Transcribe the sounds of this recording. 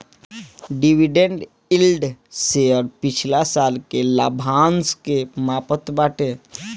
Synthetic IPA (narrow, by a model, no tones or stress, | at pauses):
ɖiwiɖẽɳɖ | ɪlɖseɔːɾpɪt͡ʃʰlasaːlkela̰ːbʱãːnskemaːpət̪baːʈe